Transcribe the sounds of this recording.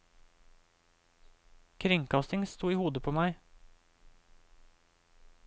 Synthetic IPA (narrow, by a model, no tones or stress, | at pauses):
kʰɾʏŋkɑst̪ɪŋst̪uːiːhuːd̪əpʰoːmæɪ